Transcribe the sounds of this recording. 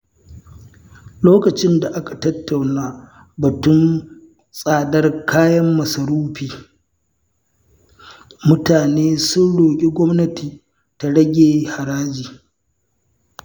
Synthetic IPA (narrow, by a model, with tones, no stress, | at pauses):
loː˦kɐ˨t͡ʃɪ˦nda˨ʔa˦kḁ˨tɐ˦tːa˨wnaː˦ | bɐ˨tʊ˦n | sʼaː˨dɐ˦rkʰaː˦jɐ˦mːɐ˨sɐ˨ɾuː˦ɸiː˨ | mʊ˦taː˨neː˦sʊ˦nɽoː˨kʲʼi˦ɡʷɔ˦mnɐ˦tiː˨ | ta˨ɽɐ˦ɡʲeː˨ha˨ɽaː˦d͡ʒiː˨